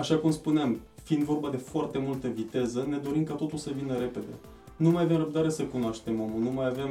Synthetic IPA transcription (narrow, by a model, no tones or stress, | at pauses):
aʃakumspuneamfiind̪vo̞rbad̪e̞foart̪e̞mult̪əvit̪e̞zəne̞d̪o̞ɾimkat̪o̞t̪ulsəvinəɾe̞pe̞d̪e̞̰ | numajave̞mrəb̚d̪aɾe̞səkunoaʃt̪e̞momunumajavem